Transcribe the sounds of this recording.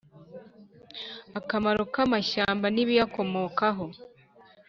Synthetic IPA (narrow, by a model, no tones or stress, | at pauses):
akamaɾokamaʃaːmbaniβijako̞mo̞ːkaɦo̞